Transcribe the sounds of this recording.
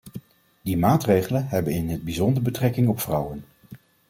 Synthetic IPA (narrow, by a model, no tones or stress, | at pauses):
dimaːtrejχələnɦɛbənɪnəd̚bizɔndəɹbətrɛkɪŋɔpfrʌwən